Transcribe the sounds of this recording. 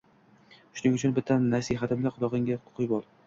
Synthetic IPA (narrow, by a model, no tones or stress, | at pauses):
ʃʊnɪŋʊt͡ʃʰʊnbɪt̪ʰːanːasiɦat̪ɪmlaqʰʊd̪ɒʁɪŋɡʲaʊqʰʊjbɒlˠ